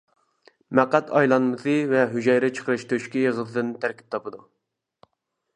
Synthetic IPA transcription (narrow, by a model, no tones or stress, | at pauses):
mæqːæt̪ʰɑjlˠɑnmɨsɨvɛɦyʒɛjɾɛt͡ʃʰə̥qʰəɾɨʃt̪ʰøʃkʲijəʁəlʰɨd̪ɨnt̪ʰæɾkʲi̥p̚t̪ʰɑpɨd̪u